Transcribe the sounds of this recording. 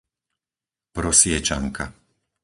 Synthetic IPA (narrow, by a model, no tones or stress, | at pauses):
pɾɔsɪɛt͡ʃaŋkʰa